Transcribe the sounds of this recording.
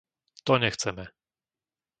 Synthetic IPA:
t̪ɔɲɛxt̪sɛmɘ

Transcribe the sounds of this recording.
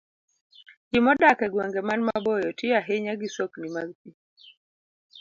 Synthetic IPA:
d͡ʒimɔɗakɛɡwɛŋɡɛmanmabɔjɔtiaɦɛɲaɡisɔknimazti

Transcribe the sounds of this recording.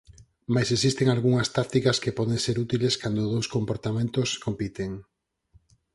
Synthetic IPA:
majsesist̪eŋalɣuŋɐst̪ak̚t̪ikɐskepɔðeŋseɾut̪ileskand̪oðowskompoɾt̪amẽnt̪oskompit̪eŋ

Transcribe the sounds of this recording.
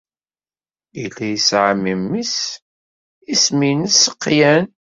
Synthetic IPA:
ilːæjisʕəmimːis | isminəsəqːjæn

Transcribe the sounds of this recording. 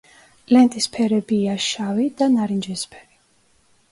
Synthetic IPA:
lɛnt̪ʼispʰɛɾɛbiaʃavid̪̥anaɾind͡ʒɛspʰɛ̥ɾi

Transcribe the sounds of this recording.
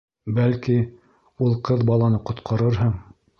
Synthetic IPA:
bælki | ulˠqɤðbɑlˠɑnɤqŏt̪qʰɑɾɤɾɦɤɴ

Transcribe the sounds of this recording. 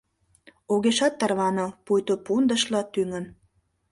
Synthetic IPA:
oɣeʃɑt̪ːərβɑnɤpujt̪opund̪əʃlɑt̪yŋə̆n

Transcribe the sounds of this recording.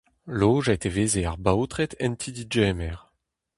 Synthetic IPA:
loːʒat̪eveːzeaʁbawt̪ʁɛt̪ʰɛnt̪ʰid̪id͡ʒemɛʁ

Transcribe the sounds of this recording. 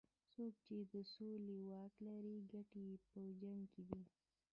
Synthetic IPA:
sok̚t͡ʃed̪əsolewɑklaɾiɡaʈepəd͡ʒaŋked̪i

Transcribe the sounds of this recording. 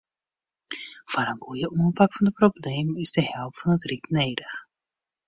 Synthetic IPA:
v̥aːɾənɡujəʔɔmpakfɑndəproblejmɪzdəɦɛlˠpfɑnətriknejdəχ

